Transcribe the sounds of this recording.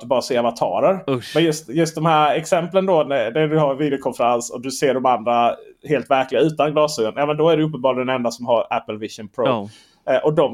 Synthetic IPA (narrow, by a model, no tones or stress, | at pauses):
ɵbɑːɾaseːavat̪ʰɑ̰ːɾəɾmɛnjɵst̪jɵst̪d̪ɔmhæːɾɛksɛmplənd̪ɔnæd̪ædɵɦaɾnviːd̪ɪʊkʰɔnfəɾansɔd̪ɵseːɖɔmand̪ɾaheːlt̪væɾklɪɡaʉ̟ːt̪anɡlɑːsʉənjɑːmɛnd̪ɔæɖɛɵpːənbɑːɾld̪ɛnɛnd̪asɔmɦaɾæpːəlvɪʂʊnpʰɾo | ʔɔd̪ɔm